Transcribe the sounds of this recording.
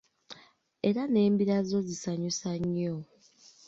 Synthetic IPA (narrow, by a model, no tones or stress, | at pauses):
e̞ɾane̞ːmbiɾazo̞zisaɲusaɲːo